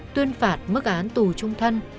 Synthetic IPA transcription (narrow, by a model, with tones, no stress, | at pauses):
t̪wi˧ənfaː˨˩t̚mɨ˦˥k̚ʔaː˨˦nt̪u˨˩t͡ɕʊ˧ŋ͡mt̪ʰə˧n